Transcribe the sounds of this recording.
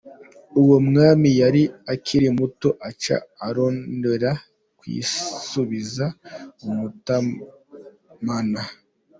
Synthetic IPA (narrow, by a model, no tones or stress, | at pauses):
uwomŋaːmijaɾiakʰiɾimuto̞ʔat͡ʃa̰ːɾo̞ːndeɾa | kwḭːsuβizaumuta | mana